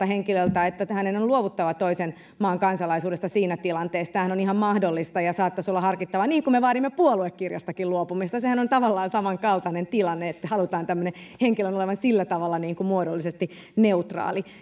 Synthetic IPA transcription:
ɑheŋkilølt̪æet̪ːæhænenonluoʋut̪ːɑʋɑt̪oisen | mɑːŋkɑnsɑlɑisuːdesːɑsiːnæt̪ilɑnt̪eːst̪æhænonihɑmmɑhdolːist̪ɑjɑsɑːt̪ːɑsolːɑhɑrkit̪ːɑʋɑniːŋkummeʋɑːɾimːepuoluekːirjɑ̰st̪ɑkiluopumist̪ɑsehænont̪ɑʋɑlːɑːnsɑmɑŋkɑlt̪ɑnent̪ilɑnːeet̪ːæhɑlut̪ɑːnt̪æmːøneheŋkilønoleʋɑnsilːæt̪ɑʋɑlːɑniːŋkumuodolːisest̪i | neut̪rɑ̰ːli

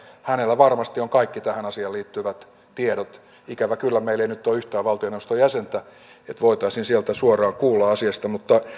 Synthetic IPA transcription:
hænelːæʋɑrmɑst̪ioŋkɑikːit̪æhænɑsiɑliːt̪ːyʋæt̪ | t̪ieɾot̪ | ikæʋækylːæmeilːeinyt̪ːoːyht̪æːʋɑlt̪ioneʋost̪ojæsent̪æ | et̪ʋoit̪ɑisinsielt̪æsuorˑɑːŋkuːlːɑɑsiɑst̪ɑmut̪ːɑ

